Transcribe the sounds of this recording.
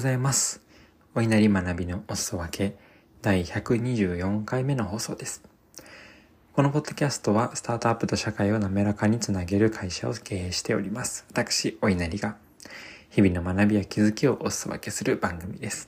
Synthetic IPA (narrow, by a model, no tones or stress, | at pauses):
zaimasɨ̥ | o̞inaɾʲimanabʲino̞osɨ̥oβake̞ | d̪̥aiçakɯ̟ɲ̟iʑɨːjõ̞ŋkaime̞no̞ɦo̞ːso̞ːd̪e̞sɨ̥ | ko̞no̞po̞d̪̥ːo̞kʲasɨ̥t̪o̞βasɨ̥t̪aːt̪o̞apːɯ̟t̪o̞ɕakaio̞name̞ɾakaɲ̟it͡sɨnaɡe̞ɾɯ̟kʰaiɕao̞ke̞ːeːɕi̥t̪e̞o̞̰ɾʲimasɨ̥βat̪akɯ̥ɕio̞inaɾʲiɡa | çibʲino̞manabʲijakʲizɨkʲio̞ʔosɨ̥oβa̰ke̞sɨɾɯ̟bãŋɡɯ̟mʲid̪e̞sɨ̥